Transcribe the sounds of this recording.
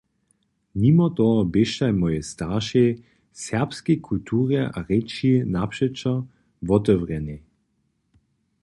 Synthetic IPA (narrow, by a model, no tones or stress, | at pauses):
nimɔt̪ɔbeʃtajmɔjɛst̪aʃe | sɛʁpskekʰult̪ʰuːʁɛʔa̰ʁɛt͡ʃinapʃɛt͡ʃa | vɔt̪ɔvʁɛne